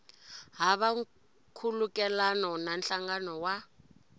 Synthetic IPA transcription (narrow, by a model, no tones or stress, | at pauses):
ɦaβa | kʰulukɛlanɔnanɬaŋɡanɔwa